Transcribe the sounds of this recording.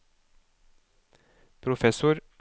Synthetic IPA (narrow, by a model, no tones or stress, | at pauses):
pʰɾʊfɛsʊɾ